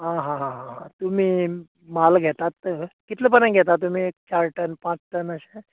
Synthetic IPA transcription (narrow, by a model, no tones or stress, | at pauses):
ɦãɦãɦãɦãɦãt̪um̤iː | malɡʱɛt̪at̪ːəkit̪ləp̬ənãjɡʱɛt̪at̪ːum̤iːekt͡ɕaɾʈənpãt͡sʈənəɕẽ